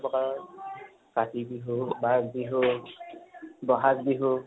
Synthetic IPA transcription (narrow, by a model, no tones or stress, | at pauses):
bɔka | katibiɦubaɡbiɦʊ | bɔɦakbiɦu